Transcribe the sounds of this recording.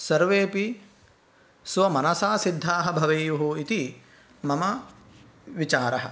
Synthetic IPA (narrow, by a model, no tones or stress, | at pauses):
sɐɾʋeːpi | sʋɐmɐnɐsaːsid̪ʱːaːɦɐbʱɐʋeːjuɦuit̪i | mɐmɐ | ʋit͡ʃaːɾɐɦɐ̰